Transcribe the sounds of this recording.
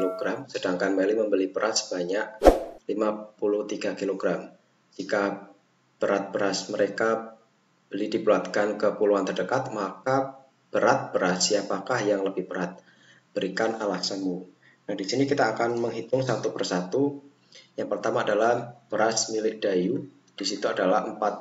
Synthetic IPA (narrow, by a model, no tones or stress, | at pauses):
loɡɾamsədaŋkanmelɪməmbəlibəɾʔasə̥b̥aɲaʔ̚limapulʊht̪iɡakiloɡ̥ɾam | d͡ʒika | b̥əɾat̪̚b̥əɾasməɾeka | b̥əlidipluat̪̚kankəpuluant̪ərdəkat̪̚maka | b̥əɾat̪̚b̥əɾatsiapakahjaŋləbɪhb̥əɾat̪̚ | b̥əɾikanalahsəmu | naŋdisinikit̪aːkanməŋɦit̪ʊŋsat̪upərsat̪u | jaŋpərt̪amaːdalahb̥əɾasmilɪk̚d̥aju | d̥isit̪uadalahəmpat̪̚